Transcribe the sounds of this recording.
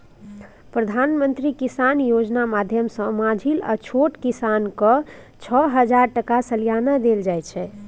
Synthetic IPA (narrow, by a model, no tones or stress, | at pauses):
pɾəd̪ʱanmənt̪ɾikisanjod͡ʒnamad̪ʱjəmsə̃mãd͡ʒʱilə̰t͡ʃʰoʈkisankə | t͡ʃʰəɦəd͡ʒaɾʈəkasəlijanad̪eld͡ʒajt͡ʃʰɛ